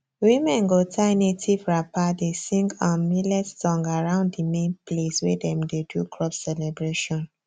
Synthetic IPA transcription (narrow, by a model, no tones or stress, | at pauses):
wĩmɛ̃nɡotʰaɪnetʰivɹapadesĩŋɡãnmilɛtstɔ̃ŋɡaɹãʊ̃nddimẽnpleswɛdɛ̃mdedukʰɹɔpsɛlɛbɹeʃɔ̃n